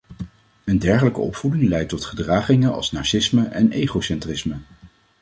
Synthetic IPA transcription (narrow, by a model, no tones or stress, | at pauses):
əndɛɹχələkə̰ɔpfudɪŋlɛjtɔtχədraːχɪŋəɑ̰lˠsnaːɹsɪsməʔɛnʔejχowsɛntrɪsmə